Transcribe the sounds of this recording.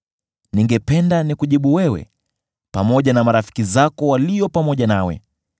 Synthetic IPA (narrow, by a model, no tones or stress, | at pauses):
niŋɡɛpɛndanikuʄiɓuwɛwɛ̰ | pamɔʄanamaɾafi̥kizakɔwalijɔpamɔʄanawɛ̰